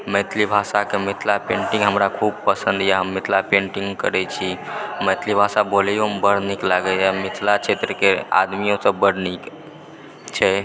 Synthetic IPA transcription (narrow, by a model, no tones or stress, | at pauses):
məjt̪ʰlibʱasakemit̪ʰlapẽɳʈĩŋɡɦəmɾakʰub̚pəsənd̪jaɦəmːit̪ʰlapẽɳʈiŋɡkə̰ɾɛt͡ʃʰiməjt̪ʰlibʱasabolijoɦmbəɽniklaɡɛɛmit̪ʰlat͡ʃʰet̪ɾəkea̰d̪mijõsəbbəɽnik | t͡ʃʰɛ